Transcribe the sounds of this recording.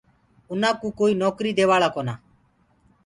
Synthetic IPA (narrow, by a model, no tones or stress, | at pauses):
ʊnãːkũːkoːiːnɔːkɾiːd̪eːʋaːɭaːkoːnaː